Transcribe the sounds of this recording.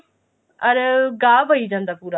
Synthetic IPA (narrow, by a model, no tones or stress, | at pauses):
əɾɡaːbəiːd͡ʒãːnd̪aːpuːɾaː